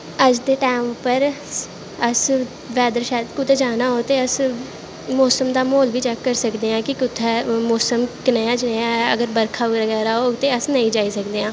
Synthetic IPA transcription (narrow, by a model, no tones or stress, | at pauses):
əd͡ʒd̪eːʈaːmpəɾ | əs | ʋɛːd̪əɾʃɛːd̪kʊt̪ʰeːd͡ʒaːnaːɦoːt̪eːəs | mɔːsəmd̪aːmoːlʋiːt͡ʃəkːəɾsəkd̪eːãːkɪkʊt̪ʰːɛːmɔːsəmkɪnaːjaːd͡ʒɪneːãːə̰ɡəɾbəɾkʰaːʋɾəɡɛːɾaːɦoːt̪eːəsnəĩːd͡ʒaːiːsəkd̪eːãː